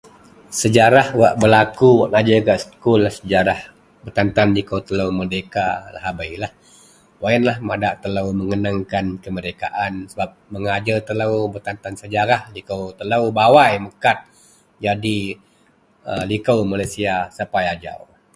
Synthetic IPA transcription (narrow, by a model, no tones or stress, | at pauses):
səd͡ʒaɾahwaʔbəlakuwaʔnad͡ʒəkaʔsə̥kulːahsəd͡ʒaɾah | bərt̪ant̪anlikəwt̪ələwmərdekala̰ɦabajlah | waənlahmadaʔt̪ələwməŋənaŋkankəməɾeka̰ʔansəbap̚məŋad͡ʒət̪ələwbərt̪ant̪ansəd͡ʒaɾahlikəwt̪ələwbawajməkat̪̚ | d͡ʒadi | ə̰likəwmalasiasəpajad͡ʒa̰w